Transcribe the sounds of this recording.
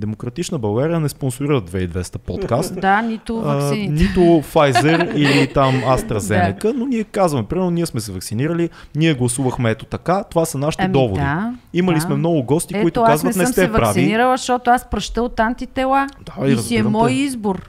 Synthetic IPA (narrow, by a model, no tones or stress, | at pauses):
d̪ɛmokɾɐt̪it͡ʃnəbɐɡaɾijənɛsponsʊɾiɾəd̪vɛid̪vɛst̪əpɔt̪kast̪d̪anit̪ʊinnit̪ʊfajzɛɾilit̪amast̪ɾɐzɛnɛkənoniɛkazvɐmɛpɾimɛɾnoniɛsmɛsɛvɐksiniɾəliniɛɡlˠɐsuvəxmɛɛt̪ot̪ɐkat̪ovasɐnaʃi̥t̪id̪ɔvod̪iiməlismɛmnɔɡʊɡɔst̪ikoit̪okazvət̪nɛst̪ɛvpɾaviiiɾəlˠəʃɔt̪ʊaspɾɐʃt̪əot̪ant̪it̪ɛlad̪aiɾɐzsɡ̪iɛmɔjizbʊɾ